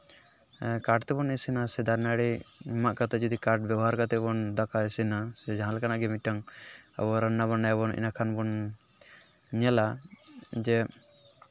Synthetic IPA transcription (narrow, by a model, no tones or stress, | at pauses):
kaɾʈt̪ɛbɔnɛsinasɛd̪aɾnaɽimaʔkat̪ɛd͡ʒɔd̪ikaɾʈ̚bjabɔɦaɾkat̪ɛbɔnd̪akaɛsinasɛd͡ʒaɦãlkanaɡɛmiʈaŋɛ̰bɔɾanːaβɔnːaɛbɔnḭnakʰanbɔn | ɲɛla | d͡ʒɛ